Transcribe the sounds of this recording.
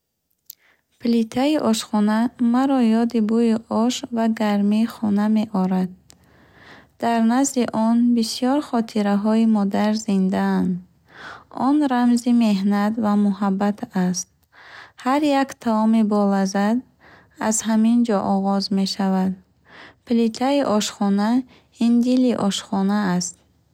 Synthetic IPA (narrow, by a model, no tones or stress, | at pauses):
pʰlit̪ʰaiʔɔʃχɔnamaɾɔjɔd̪ibujiʔɔʃvaɡaɾmiːχɔname̞ʔɔɾad̪̚ | d̪̥aɾnazd̪iʔɔnbisijɔɾχɔt̪ʰiɾaɦɔimɔd̪aɾzind̪aand̪ | ɔnɾamzime̞ɦnat̪vamuɦabːat̪ʰast̪̚ | haɾjakt̪ʰaɔmibɔlazad̪ | azhamind͡ʒɔʔɔʁɔzme̞ʃavad̪̚ | pʰlit̪ʰaiʔɔʃχɔna | ind̪iliʔɔʃχɔnaːst̪̚